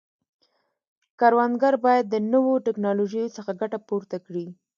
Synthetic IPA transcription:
kaɾwand̪ɡaɾbɑjad̪ːənəwoʈɪknɑloʒəjosəxaɡaʈapoɾt̪akɽi

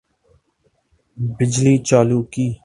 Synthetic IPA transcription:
bɪd͡ʒliːt͡ʃaːluːkiː

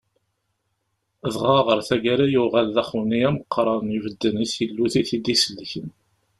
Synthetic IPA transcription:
ðʁɑʁəɾˤθæɡæɾæjuʁælðæχwniæməqʰːɾˤənivəd̪ːənisilːuθiθid̪isəlːçən

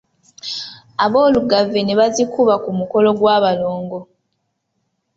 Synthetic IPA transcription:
aβo̞ːluɡave̞neβazikuβakumuko̞lo̞ɡwaːβaloːŋɡo̞

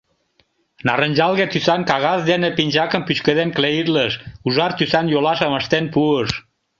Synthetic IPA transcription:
nɑrənʲʒɑlɣet̪ysɑnkɑɣɑzd̪enəpinʲʒɑkəmpyʃkəðenkleiɾləʃuʒɑrt̪ysɑnjolɑʃəməʃt̪enpuəʃ

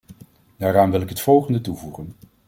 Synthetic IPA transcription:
daːɾaːnʋɪlˠɪkɦətfɔlˠχəndətuvuχən

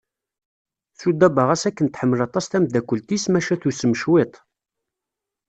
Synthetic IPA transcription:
θud̪ːæbəʁæsækːənt̪ħəmːəlɑt̪ˤɑsθæmd̪ækʷːəlt̪ismæʃæθusəməʃwet̪ˤ

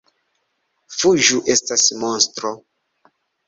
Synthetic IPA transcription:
fuʒuʔestasmonstɾo

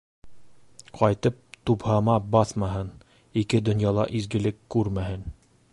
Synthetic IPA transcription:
qɑjt̪ɤp̚t̪uphɑmɑbɑθmɑɦɤn | ikɘd̪ŏnjɑlˠɑ̰ʔizɡɘ̆lɘkːʉɾmæɦɘn

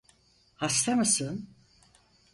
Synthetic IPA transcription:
hast̪ʰamasɯn

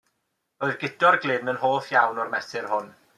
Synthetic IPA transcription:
oːɨðɡɪd̥ɔrɡlˠɪnənɦoːθjawnɔrmɛsɪrhʊn

